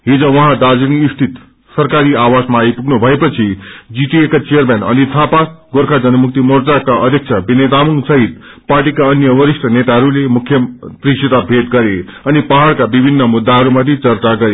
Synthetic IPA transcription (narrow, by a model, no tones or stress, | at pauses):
ɦid͡zʌ̃ʋʌɦãd̪ad͡zinist̪ʰit̪ | sʌɾkaɾiawasmaːipuɡnubʱʌepʌt͡sʰid͡ziʈiekat͡sejəɾmenʌ̰nit̪ʰapaɡoɾkʰad͡zʌnəmuk̚t̪imoɾd͡zakaʔʌd̪ʱjek̚t͡ʃʰabined̪amuŋsʌɦit̪ | paɾʈikaʌnjʌʋʌɾisʈʰənet̪aɦʌɾulemukʰːjʌt̪ɾisit̪abʱet̪ɡʌɾeʌnipaɦaɽkabibʱinːʌmud̪ːaɦʌɾumat̪it͡sʌɾt͡saɡʌɾe